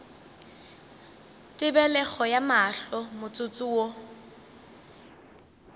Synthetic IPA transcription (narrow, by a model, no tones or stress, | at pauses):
tʼɪbɛlɛχɔjamaɬɔmʊt͡sʼʊt͡sʼuwo